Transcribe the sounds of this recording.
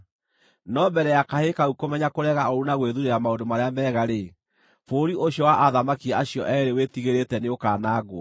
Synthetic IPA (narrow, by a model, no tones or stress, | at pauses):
nɔbɛɾɛjakahekaukomɛɲakoɾɛɣaoɾunaɣweðuɾeɾamaondomaɾeamɛːɣaɾe | foɾiʔoɕjɔwaʔaðamakiɛaɕjɔʔɛɾewetiɣeɾetɛneokaːnaːɡoɔ